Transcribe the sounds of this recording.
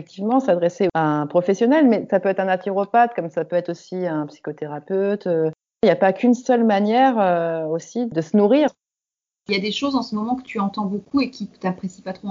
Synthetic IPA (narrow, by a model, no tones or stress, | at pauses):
ɛk̚t̪ʰivmɑ̃sad̪ʁeseaɛ̃pχɔfɛsjɔnɛlmɛsapøɛt̪χɛ̃nat̪eʁopat̪kɔmsapøɛt̪χosiɛ̃psi̥kot̪eʁapøt̪ø | iljapakʲʰynsœlmanjɛʁøosid̪əsənuʁiʁ | ljad̪eʃozɑ̃səmɔmɑ̃kə̥t̪yɑ̃t̪ɑ̃bokʰuekʲʰit̪apχesi̥pat̪χo